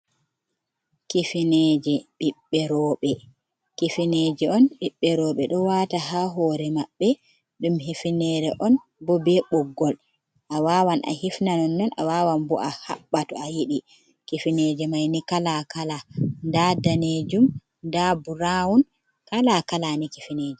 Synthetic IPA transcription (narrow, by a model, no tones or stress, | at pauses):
kifined͡ʒɛɓiɓːɛɾɔɓɛ | kifined͡ʒɛɔnɓiɓːɛɾɔːɓɛɗɔwataɦaɦɔːɾɛmaɓːɛ | ɗumhifinɛɾɛʔɔn | bɔbɛɓɔɡːɔl | ʔawaːwanʔa̰hifnanɔnːɔna̰wawanbɔʔaha̰ɓːatɔajiɗi | kifined͡ʒɛmajnikalakalandadaned͡ʒum | dabuɾawun | kalakalanikifineːd͡ʒɛ